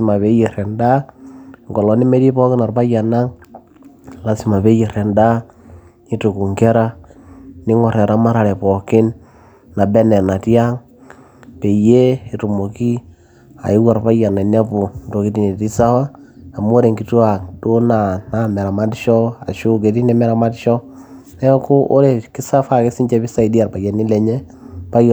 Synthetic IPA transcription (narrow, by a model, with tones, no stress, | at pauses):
i˨ma˨pe˦je˨ɾɛ˨nda˦ŋɡɔ˨lɔ˦ni˦me˦di˦pɔ˦kɪ˦na˨rpa˦ja˨na˦ŋ | la˦si˨ma˨pe˦je˨ɾɛ˨nda˦ | i˦tu˨ku˨ŋke˦ɾa˦ | ni˦ŋɔ˨ɾɛ˨ɾa˦ma˦ɾa˨ɾɛ˨pɔ˨kɪ˦n | na˨bɛ˦nɛ˨na˨tja˦ŋ | pe˨je˦i˨tu˨mo˨ki˦ | a̰˨ɪ˦wa˨rpa˦ja˨na˨na˦pu˨ndo˨ki˦ti˨ne˨ti˦sa˦wa˦a˨m˦o˦ɾe˨ŋɡi˨tu˦a˨do˦na˨na˦mɛ˨ɾa˨ma˦tʃɔ˦a˨ʃu˦ke˨ti˦nɛ˦mɛ˦ɾa˨ma˦tʃɔ˦ | nɛ˦ko˦ʔo˦ɾe˨kɪ˦sa˦fa˦˨ke˦si˦ɲt͡ʃe˦pi˦sa˦i˨di˦a˨rpa˨ja˨ni˦lɛ˨ɲɛ˦ | pa˦j